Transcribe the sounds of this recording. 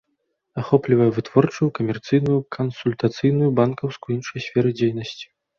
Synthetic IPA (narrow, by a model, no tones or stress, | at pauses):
axɔplʲivɐjɛvɨt̪vɔrt͡ʂɨjukɐmʲɛrt̪sɨjnujukʰɐnsulʲt̪at̪sɨjn̪ujubankɐwskuinʂɐjsʲfʲɛɾɨd͡zʲejnɐsʲt͡sʲi̥